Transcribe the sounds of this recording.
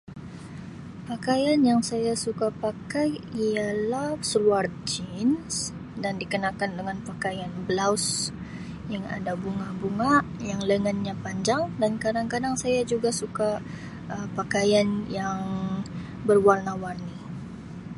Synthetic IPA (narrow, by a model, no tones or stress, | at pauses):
pakajanjaŋsajasukapakajialahsəluard͡ʒins | dandikənakandəŋanpakajanbəlaws | jaŋa̰dabuŋabuŋaʔjaŋləŋənɲapaɲd͡ʒaŋdankadaŋkadaŋsajad͡ʒuɡasuka | ʔəpakajanjaŋ | bərwarnawarni